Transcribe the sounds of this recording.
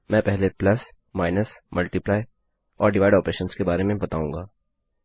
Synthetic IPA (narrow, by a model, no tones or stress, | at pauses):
mɛ̃ːpɛɦleplɐs | maːɪnəsmɐlʈiplaːɪ | ɔːɾɖɪʋaːɪɖɔːpɾeːʃənskebaːɾemẽbɐt̪aːũːŋɡaː